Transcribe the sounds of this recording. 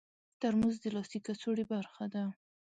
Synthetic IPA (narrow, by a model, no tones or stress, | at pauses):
t̪aɾmuzd̪əlɑst̪ikat͡soɽebaɾxad̪a